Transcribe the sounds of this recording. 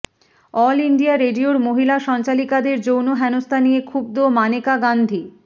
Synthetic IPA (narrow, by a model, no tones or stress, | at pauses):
ɔliɳɖiaɾeɖioɾmoɦilaʃɔnt͡ɕalikad̪eɾd͡ʑownoɦɛnost̪ʰaniekʰub̚d̪omanekaɡand̪ʱi